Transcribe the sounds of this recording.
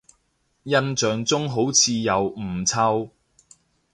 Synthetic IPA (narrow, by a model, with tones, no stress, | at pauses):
jɐ˥nt͡ʃœː˨˧ŋt͡sʊ˥ŋɦo˨˥wt͡sʰiː˧jɐ˨˧wm̩˨˩t͡sʰɐ˧w